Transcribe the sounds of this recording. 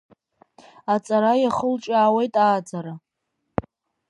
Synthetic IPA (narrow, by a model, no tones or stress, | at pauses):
at͡sʼaɾajaχəlʈ͡ʂʼaːwe̞jtʼaːd͡zaɾa